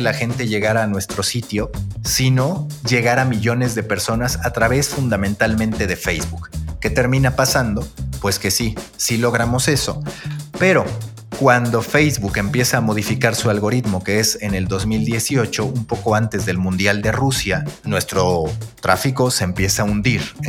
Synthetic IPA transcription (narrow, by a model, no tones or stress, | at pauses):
laxe̞nt̪e̞ʝe̞ɣaɾaːnwe̞st̪ɾo̞sit̪jo̞sino̞ʝe̞ɣaɾamiʝo̞ne̞zðe̞pe̞ɾso̞nasat̪ɾaβe̞sfund̪amẽnt̪almẽnt̪e̞ð̞e̞fejzβukːe̞t̪e̞ɾmĩnapasand̪o̞pwe̞ske̞sisilo̞ɣ̞ɾamo̞se̞so̞̰pe̞ɾo̞ | kwand̪o̞fe̞jzβuke̞mpje̞saːmo̞ð̞ifikaɾsualɣo̞ɾit̪mo̞ke̞ese̞ne̞ld̪o̞zmild̪je̞sio̞t͡ʃo̞ʔumpo̞ko̞ant̪e̞zðe̞lmũnd̪jald̪e̞rusjanwe̞st̪ɾo̞t̪ɾa̰fiko̞se̞ːmpje̞saund̪iɾ